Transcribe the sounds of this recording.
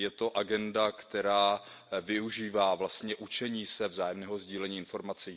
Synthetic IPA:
jɛt̪o̞ʔaɡɛndakt̪ɛɾaː | vɪuʒiːvaːvlast̪ɲɛʔut͡ʃɛɲiːsɛvzaːjɛmnɛːɦo̞zɟiːlɛɲiːɪnfo̞ɾmat͡si

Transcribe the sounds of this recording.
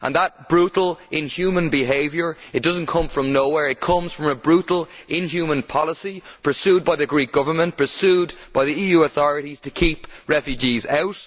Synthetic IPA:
ʔə̰̃nðət̚b̥ɹutl̩ˠɪ̃njʉːmə̃nbɪɦeɪvjə˞ɪt̚d̥ʌzn̩kʰʌ̃ɱfɹə̃mnoʊwɛɹɪt̚kʰʌ̃mz̥fɹʌ̃məbɹuʔl̩ˠʔɪ̃nɦjʉmə̃npʰɑlˠəsipʰə˞sjʉːd̚baɪðɨɡɹiˑk̚ɡ̥ʌvə˞mə̃npʰə˞sʉːdb̥aɪðiiːjʉːəθɔɹəɾiz̥tʰəkʰipɹɛfjʉd͡ʒizaʊt

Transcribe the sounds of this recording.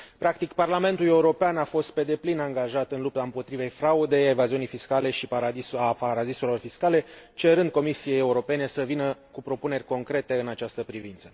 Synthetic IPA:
pɾakt̪ikparlame̞nt̪ule̞uɾo̞peanafo̞st̪̚pe̞d̪e̞plinaŋɡaʒat̪ɨnlup̚t̪aɨmpo̞t̪ɾive̞jfɾaud̪e̞jaevaziunijfiskale̞ʃipaɾad̪iapaɾad̪iselo̞rfiskale̞t͡ʃe̞ɾɨnd̪̚ko̞misie̞jeuɾo̞pe̞ne̞səvinəkupɾo̞pune̞rʲko̞ŋkɾe̞t̪e̞ɨnat͡ʃast̪əpɾivint̪sə̥

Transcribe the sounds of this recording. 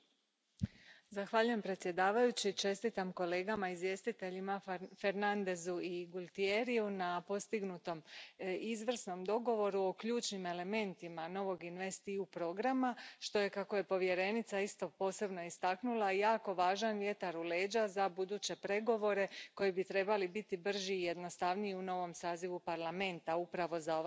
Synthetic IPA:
zaxʋaʎuje̞mpɾe̞t̪sje̞d̪aːʋajut͡ɕit͡ʃe̞st̪it̪amko̞le̞ːɡamaizʋje̞ːst̪it̪e̞ʎimafe̞ɾnand̪e̞zuiɡulˠt̪ie̞ɾijunapo̞st̪iɡnut̪o̞mizʋr̩sno̞md̪o̞ɡo̞ʋo̞ɾuo̞kʎuːt͡ʃnime̞le̞me̞nt̪imano̞ʋo̞ɡinʋe̞st̪iupɾo̞ɡɾamaʃt̪o̞je̞kako̞je̞po̞ʋje̞ɾe̞nit̪saist̪o̞po̞ːse̞bno̞ist̪aknulˠaijaːko̞ʋaːʒanʋje̞t̪aɾule̞ːd͡ʑazabud̪uːt͡ɕe̞pɾe̞ɡo̞ʋo̞ɾe̞ko̞jibit̪ɾe̞balibit̪ibr̩ʒiːje̞d̪no̞st̪aʋniiuno̞ʋo̞msaːziʋupaɾlame̞nt̪aupɾaʋo̞zao

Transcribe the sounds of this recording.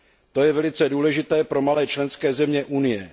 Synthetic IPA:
t̪o̞jɛvɛlɪt͡sɛduːlɛʒɪt̪ɛːpɾo̞malɛːt͡ʃlɛnskɛːzɛmɲɛʔunɪjɛ

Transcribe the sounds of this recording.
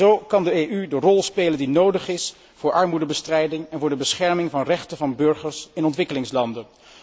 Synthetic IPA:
owkɑndəeydərɔlˠspejləndinowdəχɪs | v̥ʊːɹʔɑɹmudəbəstrɛjdɪŋɛnvʊːɹdəbəsχɛɹmɪŋvɑnrɛχtəvɑnbɵɹχəɹsɪnɔntʋɪkəlɪŋslɑndən

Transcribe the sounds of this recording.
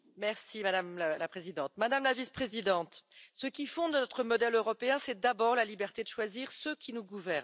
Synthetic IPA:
mɛʁsimad̪amllapχezid̪ɑ̃t̪̚mad̪amlavispχezid̪ɑ̃t̪səkʲifɔ̃d̪nɔt̪χəmɔd̪ɛløʁɔpeɛ̃sɛd̪abɔʁlalibɛʁt̪ed̪əʃwaziʁsøkʲinuɡuvɛʁn

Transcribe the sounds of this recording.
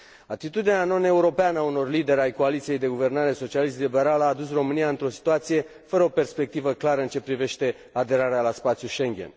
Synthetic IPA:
at̪it̪ud̪inano̞ne̞uɾo̞peanəauno̞rlid̪e̞ɾeajko̞alit̪sije̞jd̪e̞ɡuve̞rnaɾeso̞t͡ʃialis̬t̪libe̞ɾaləaːd̪usro̞mɨnijaɨnt̪ɾo̞si̥t̪uat̪sije̞ | fəɾəo̞pe̞rspe̞k̚t̪ivəklaɾəɨnt͡ʃe̞pɾive̞ʃt̪e̞ | ad̪e̞ɾaɾealaspat̪sjuʃe̞ŋɡʲḛn

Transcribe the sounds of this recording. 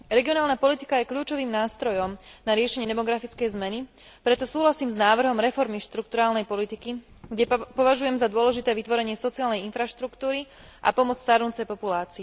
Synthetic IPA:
ɾɛɡiɔnaːlnapɔlit̪i̥kajɛkʎuːt͡ʃɔʋiːmnaːst̪ɾɔjɔmnaɾɪɛʃɛɲɪɛd̪ɛmɔɡɾafit͡skɛjzmɛni | pɾɛt̪ɔsuːɦlasiːmznaːʋr̩ɦɔmɾɛfɔɾmiʃt̪ɾukt̪uɾaːlnɛjpɔlit̪iki | ɡɟɛpɔʋaʒujɛmzad̪ʊɔlɛʒit̪ɛːʋit̪ʋɔɾɛɲɪɛsɔt͡siaːlnɛjinfɾaʃt̪ɾukt̪uːɾi | ʔa̰pɔmɔt͡sst̪aɾnut͡sɛjpɔpulaːt͡siɛ

